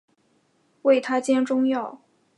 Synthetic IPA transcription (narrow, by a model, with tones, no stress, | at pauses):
we˥˩ɪt̪ʰa˥t͡ɕjɛ˥nʈ͡ʂʊ˥ŋjɑ˥˩ʊ